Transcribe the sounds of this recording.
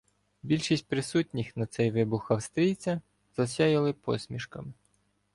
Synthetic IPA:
bʲilʲʃisʲt̚ʲpɾɪsutʲnʲixnɐt̪sɛjʋɪbʊxɐwst̪ɾʲijt͡sʲɐ | z̥ɐsʲɑjɪlˠɪpɔ̰sʲmʲiʃkɐmɪ

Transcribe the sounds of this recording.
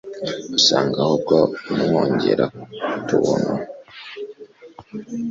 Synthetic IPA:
usaːŋɡahob̚ɡomhoːɲɟeɾatuβono

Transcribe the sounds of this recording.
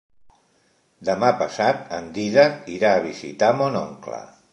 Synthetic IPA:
d̪əmapəsat̪ənd̪iðəiɾaːβ̞izḭt̪amonɔ̰ŋklə̰

